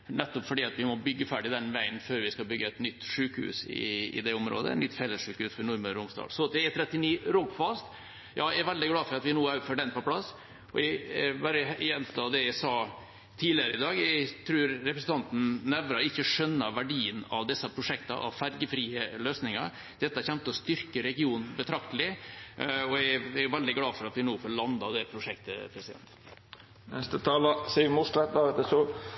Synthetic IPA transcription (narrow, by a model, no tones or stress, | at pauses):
nɛt̪ːɔpfɔɖiːɑt̪ʋɪmɔbʏɡːəfæːɖɪd̪ɛnʋæɪənføːɾʋɪskɑlbʏɡːəɛt̪nʏt̪ːʂʉːkhʉ̰ːsɪ̰ɪ̰d̪ɛʊmɾo̰ːd̪ə̰ɛ̰t̪nʏt̪ːfɛlːəsʂʉːkhʉːsfɔɾɳʊɾməɾʊmst̪ɑ̰ːlsɔnɑt̪d̪ɛɛt̪ʰɾɛt̪ːɪniːɾɔbfɑst̪ | jɑːææɾʋɛld̪ɪɡlɑːfɔɾɑt̪ʋɪnuːæʉfɔɖɛnpɔpʰlɑsː | ɔæbæːɾəjɛnt̪ʰɑd̪ɛjæɪsɑː | t̪ʰiːlɪəɾəɪd̪ɑːɡæt̪ʰɾʉːɾːɛpɾəsn̩t̪ʰɑnt̪n̩næʋɾɑɪçːəʂœnːəʋæɖiːənɑ̰ʋd̪ɛsːəpʰɾʊʂɛkt̪ɑ̰ʔɑ̰ʋfæɾɡəfɾiːəløːsnɪŋɑ̰ɾ | d̪̥ɛt̪ːəhæɾçɛmt̪əɔst̪ʏɾkəɾɛɡɪuːnbət̪ʰɾɑkt̪əlɪ | ɔææɾjʊʋɛld̪ɪɡlɑːfɔɾɑt̪ʋɪnuːfɔɭɑnd̪ɑd̪ɛpʰɾʊʂɛk̚t̪ə̰pʰɾɛsɪd̪ɛ̰nt̪ | nɛst̪ət̪ʰɑːlɑsiːmuslɛt̪̚d̪ɑːɛt̪ːəsɔ